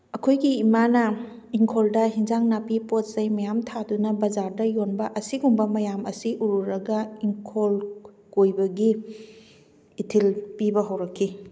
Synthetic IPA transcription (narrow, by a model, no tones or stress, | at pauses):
ɐkʰojɡiːmanɐ | iŋkʰoldɐɦinzaŋnapipot̚sɐjmɐjamtʰadunɐbɐzaɾdɐjonbɐʔɐsiɡumbɐmɐjamɐsiʔuɾuɾɐɡɐiŋkʰol | kojbɐɡi | tʰilpibɐɦɐwɾɐkʰːi